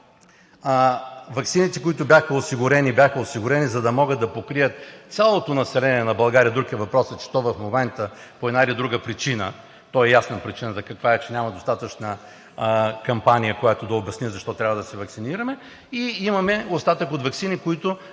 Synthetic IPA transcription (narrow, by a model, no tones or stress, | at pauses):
vɐksinit̪ɛkoit̪ʊbʲjaxɐosiɡʊɾɛnibʲjaxɐosiɡʊɾɛnizɐd̪ɐmɔɡəd̪̚d̪ɐpokɾijət̪̚sʲalˠot̪onɐsɛlɛniɛnɐbɐlˠɡaɾijəd̪ukiəvɐpɾɔsɐt͡ʃt̪ɔvɐfmomɛnt̪əpoɛd̪nailid̪ɾuɡəpɾit͡ʃinə̰ | t̪ɔɛjasnəpɾit͡ʃinəzɐkɐkvaɛt͡ʃɛnʲamɐd̪ost̪at̪ət͡ʃnə | kɐmpanijəkojat̪od̪ɐobʲɐsnizɐʃt̪ɔt̪ɾʲabvɐd̪ɐsɛvɐksiniɾɐmɛ | iimɐmɛost̪at̪əkot̪vɐksinikoit̪ʊ